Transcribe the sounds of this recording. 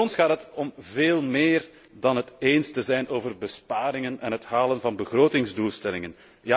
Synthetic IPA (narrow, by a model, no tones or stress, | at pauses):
ɔnsxaːtɦətɔmveːlˠmeːr | dɑnɦəteːnstəzɛjnʔoːvərbəspaːɾɪŋənɛnɦətɦaːlənvɑnbəɣroːtɪŋzdulˠstɛlɪŋən | ja